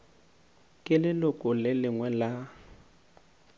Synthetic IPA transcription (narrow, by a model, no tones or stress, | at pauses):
kʼɪlɪlʊkʼʊlɪlɪŋwɛla